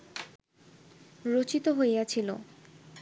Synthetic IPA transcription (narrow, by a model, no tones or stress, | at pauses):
ɾot͡ɕit̪oɦoeat͡ɕʰilo